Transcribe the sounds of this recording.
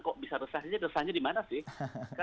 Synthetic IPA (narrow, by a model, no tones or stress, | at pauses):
kɔʔbisaɾəsahɲarəsahɲadimanasɪhka